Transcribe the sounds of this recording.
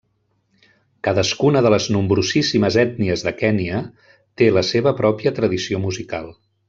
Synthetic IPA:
kaðəskunəðələznumbɾuzisiməzɛt̪̚niəzðəkɛniə | t̪eləseβəpɾɔpiət̪ɾəðisiomuzikalˠ

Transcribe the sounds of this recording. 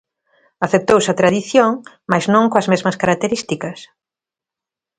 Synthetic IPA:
aθep̚t̪owsɐt̪ɾaðiθjoŋ | majznõŋkoɐzmezmɐskaɾak̚t̪eɾist̪ikɐs

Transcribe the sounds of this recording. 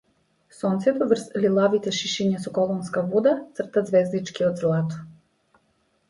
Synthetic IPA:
sont̪sʲet̪uʋr̩slilˠaʋit̪eʃiʃiɲesukolˠonskabud̪at̪sr̩t̪ad̪zʋeːzd̪it͡ʃkiod̪zlˠaːt̪u̥

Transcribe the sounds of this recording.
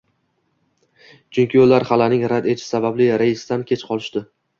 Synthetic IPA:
t͡ʃʰʊŋkʲɪjolːaɾχalanɪŋɾad̪e̞t͡ʃʰɪ̥sabablɪɾaɪsd̪ankʲʰe̞t͡ʃqʰɒlˠɪʃd̪ɪ

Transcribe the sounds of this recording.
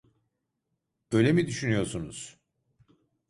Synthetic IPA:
bø̞jlʲemid̪yʃynyjo̞ɾsunuz̥

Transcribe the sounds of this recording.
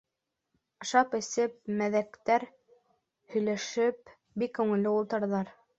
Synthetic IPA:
ɑ̆ʃɑpɘ̆sɘp̚mæðækt̪æɾ | hɵ̆jlæʃɘp | bikːʉŋɘ̆lːɘulˠt̪ɤ̆ɾðɑɾ

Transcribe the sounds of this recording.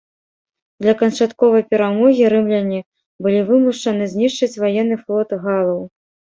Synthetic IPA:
d̪lʲɐkɐnt͡ʂat̪kɔvɐjpʲɛɾamɔɣʲiɾɨmlʲɐnʲːi | bɨlʲivɨmuʂt͡ʂɐnɨzʲnʲiʂt͡ʂɨt͡sʲvajɛnːɨflˠɔt̪ɨɣalˠɐw

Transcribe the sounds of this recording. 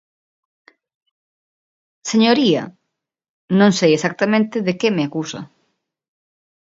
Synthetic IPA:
seɲoɾiɐ̰ | nõŋsejesak̚t̪amẽnt̪ɪðekemɪakusɐ̰

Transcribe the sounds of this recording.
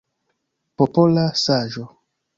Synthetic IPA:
popolasaʒo

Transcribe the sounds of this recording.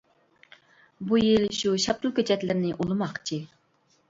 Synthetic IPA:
bujilʃuʃɑp̚t̪ʰulˠkʲʰøt͡ʃʰɛt̪lɪɾnɪʔulˠɨmɑqt͡ʃʰi

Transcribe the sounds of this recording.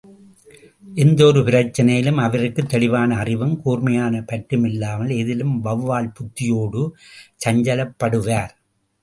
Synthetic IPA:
ʔɛnd̪ɔɾɯpɪɾɐrt͡ʃːɐnɐjɪlɯmɐʋɐɾɯkːɯt̪ːɛɭɪʋaːnɐːrɪʋɐmkuːrmɐjaːnɐpɐʈrɯmɪlːaːmɐlɛðɪlɯmʋɐʋʋaːlpʊt̪ːɪjoːɽɯt͡ʃɐɲd͡ʒɐlɐpːɐɽɯʋaːɾ

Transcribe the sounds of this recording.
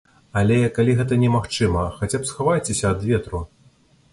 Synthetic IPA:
alʲɛkalʲiɣɛt̪ɐnʲɛmaxt͡ʂɨmɐxat͡sʲapsxavajt͡sʲesʲɐːd̪vʲɛt̪ɾu

